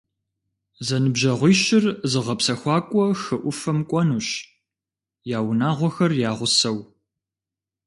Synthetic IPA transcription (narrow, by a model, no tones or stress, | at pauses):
zɐnɨbʑɐʁʷiːɕɪrzɨʁɐpsɐxʷɑːkʷʼɔxɨʔʷʊfɐmkʷʼɔnuːɕ | jaːwʊnaːʁʷɔxɐrjaːʁʷʊsɐw